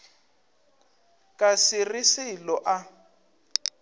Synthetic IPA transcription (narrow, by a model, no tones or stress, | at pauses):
kʼasɪrisɪlɔʔa